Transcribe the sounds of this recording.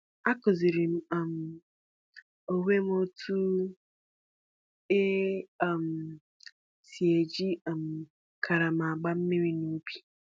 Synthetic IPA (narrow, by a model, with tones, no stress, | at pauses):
a˦ko˨zi˨ɾi˨m˨a˨m˨ | o˨we˦m˦o˦tʰu˦ | e˦a˨m | si˨e˨d͡ʒi˦˨m˨ | kʰa˨ɾa˨ma˨a˨ɡ͡ba˦m̩˦me˦ɾi˦nu˦bi̥˨